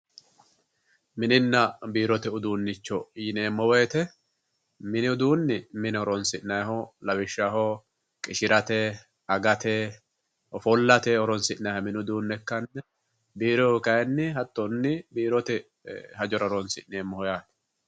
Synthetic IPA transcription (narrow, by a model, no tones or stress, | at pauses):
mɪnɪnːɐbiːɾɔt̪ɛʊd̪uːnːɪt͡ʃːɔjɪne̞ːmːɔweːt̪ɛ | mɪnɪʊd̪uːnːɪmɪnɪɔɾɔnsɪʔnɐjhɔlɐbɪʃːahɔ | kʼɪʃɪɾʔɐt̪ɛ | ɐɡɐt̪ɛ | ɔfɔlːɐt̪ɛɔɾɔnsɪʔnɐhɔmɪnʊd̪uːnːɛkːɐnːɛ | biːɾɔkɐjɛnːɪɦɐt̪ʼːɔnːɪbiːɾɔt̪ɛ | hɐd͡ʒɔɾɐɔɾɔnsɪʔneːmːɔhɔjaːt̪ɛ̥